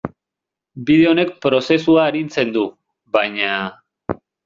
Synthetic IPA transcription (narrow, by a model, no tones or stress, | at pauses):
bið̞e̞o̞ne̞k̚pɾo̞se̞suaeɾint͡se̞nd̪u | βajɲa